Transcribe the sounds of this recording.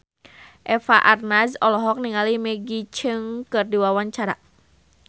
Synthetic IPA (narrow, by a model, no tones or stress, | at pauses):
ʔɛfaʔarnasɔlɔɦɔk̚niŋalimɛɡit͡ʃɨŋkɨrdiwawaɲt͡ʃaɾa̰